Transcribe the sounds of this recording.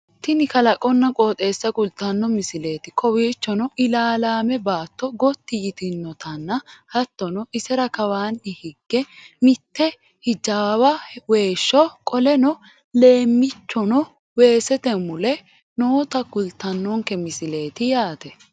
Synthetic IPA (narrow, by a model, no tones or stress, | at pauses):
t̪ɪnɪkɐlɐkʼɔnːɐkʼoːt̪ʼe̞ːsːɐkʼʊlt̪ːɐnːɔmɪsɪle̞ːt̪ɪkɔwiːt͡ʃːɔnɔʔɪlaːlaːmɛbaːt̪ːɔɡɔt̪ːɪjɪt̪ɪnːɔt̪ʰɐnːɐhɐt̪ːɔnɔʔɪsɛɾɐkɐwaːnːɪhɪɡːɛmɪt̪ːɛ | hɪd͡ʒaːwɐwe̞ːʃːɔkʼɔlɛnɔ | le̞ːmːɪt͡ʃːɔnɔ | we̞ːsɛt̪ɛmʊlɛ | noːt̪ɐkʊlt̪ːɐnːɔŋkɛmɪsɪleːt̪ɪjaːt̪ɛ